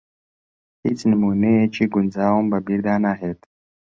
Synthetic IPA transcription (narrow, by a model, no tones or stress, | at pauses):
hit͡snamuneet͡ʃeɡʊnzawumbabiɾd̪aːnaɦet̪